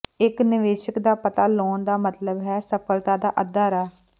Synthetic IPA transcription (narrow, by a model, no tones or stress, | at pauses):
ɪknɪʋeːʃəkd̪aːpət̪aːloːnd̪aːmət̪ləbɦɛːsəpʰəlt̪aːd̪aːʔəd̪aːɾaː